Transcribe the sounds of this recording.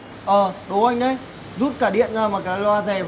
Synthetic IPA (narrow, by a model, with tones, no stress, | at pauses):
ʔəː˨˩ɗo˨˦ʔa˧jŋ̟ʔə˨˦j | zu˦˥t̚kaː˧˩ɗḭ˧˨ənzaː˧˩maː˨˩kaː˨˦jlwaː˧zɛ˨˩v